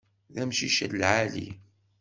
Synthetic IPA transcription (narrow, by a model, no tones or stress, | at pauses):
ðæmʃiʃælʕalḭ